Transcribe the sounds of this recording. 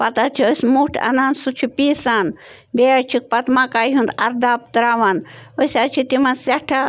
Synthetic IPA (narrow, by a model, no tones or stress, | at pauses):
pɐt̪at͡ʃʰiosmuʈʰɐ̰naːnsut͡ʃʰipiːsaːn | beːɾt͡ʃʰik̚pɐt̪makaːɦũnd̪ɐɾd̪aːp̚t̪ɾaːʋanosʲaːt͡ʃʰit̪imɐnsɐʈʰa